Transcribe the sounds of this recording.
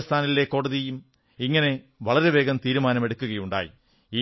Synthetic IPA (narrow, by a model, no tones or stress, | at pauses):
st̪ʰaːnɐlekːo̞ːɽɐðijum | iŋːɐne̞ | ʋɐɭɐɾe̞ʋe̞ːɡɐmt̪iːɾumaːnɐme̞ɽukːuɣɐjuɳɖa̰ːjḭ | iː